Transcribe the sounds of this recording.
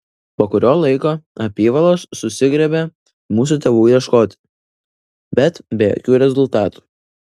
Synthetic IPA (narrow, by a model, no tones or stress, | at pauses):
poːkʊɾʲoːlˠɐɪkoːɐpʲiːʋɐlˠoːsːʊsʲɪɡɾʲɛbʲe | muːs̬ʊt̪ʲeʋuːjɛʃkoːt̪ʲ | bʲɛt̪bʲɛjo̰ːkʲuːɾʲɛzʊlˠt̪ɑːt̪u̥ː